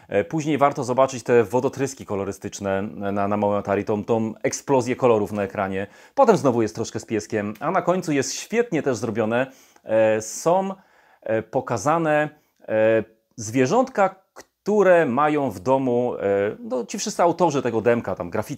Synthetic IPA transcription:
puʑɲejvaɾt̪ɔzɔbat͡ʂɘt͡ɕt̪ɛvɔd̪ɔt̪ɾɘskʲikɔlɔɾɘst̪ɘt͡ʂnɛnanamawɛmat̪aɾʲit̪ɔ̃mt̪ɔ̃w̃ɛksplɔzʲjɛkɔlɔɾufnaɛkɾaɲɛ | pɔt̪ɛmznɔvujɛst̪ːɾɔʂkɛspʲjɛskʲɛmanakɔɲt̪sujɛst̪ɕfʲjɛt̪ɲɛt̪ɛʐzɾɔbʲjɔnɛ | sɔ̃w̃ | pɔkazanɛ | zvʲjɛʐɔnt̪ka | kt̪uɾɛmajɔ̃w̃vd̪ɔmunɔt͡ɕifʂɘst̪ɘawt̪ɔʐɘt̪ɛɡɔd̪ɛmkat̪amɡɾafʲi

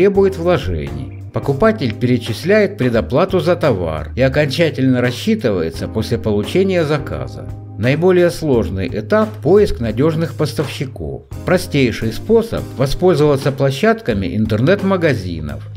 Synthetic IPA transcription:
ɾʲebʊjɪt̪vlˠɐʐɛ̰nʲɪ̰j | pəkʊpatʲɪlʲpʲɪɾʲɪt͡ɕɪsʲlʲæjɪt̪̚pʲɾʲɪd̪ɐplˠat̪ʊzɐt̪ɐva̰riɐkɐnʲt͡ɕætʲɪlʲnəɾɐɕːit̪ɨvə̰jɪ̰t̪səpo̞sʲlʲɪpəlˠʊt͡ɕenʲɪjəzɐka̰zə̰ | nɐjɪbo̞lʲɪjəslˠo̞ʐnɨ̰jʔɪt̪apːo̞jɪsknɐdʲo̞ʐnɨxpəst̪əfɕːɪko̰f | pɾɐsʲtʲejʂɨjspo̞sə̰pvɐspo̞lʲzəvət̪sːəplˠɐɕːat̪kəmʲɪ̰ʔɪnt̪ɨrnɛt̪məɡɐzʲḭnə̰f

